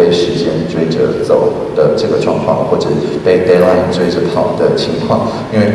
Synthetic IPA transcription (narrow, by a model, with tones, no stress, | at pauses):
e˥˩ɪʂɻ̩˧˥t͡ɕjɛ˥nt͡swe˥˧ɪʈ͡ʂə̰˧˦t͡so˨˩ʊ | d̪̥ə˨ʈ͡ʂɤ˥˩ɡə˩ʈ͡ʂwɑ̰˥˧ŋkʰwɑ̰˥˧ŋxwɔ˥˩ʈ͡ʂə˨˩˨pe˥˧ɪt̪e˥˧la˥˧ɪnt͡swe˥˧ɪʈ͡ʂə˧˦p̪ʰɑ˨˩ʊd̪ə˦t͡ɕʰi˧˥ŋkʰwɑ˥˩ŋ | i˥˧nwe˥˧˩ɪ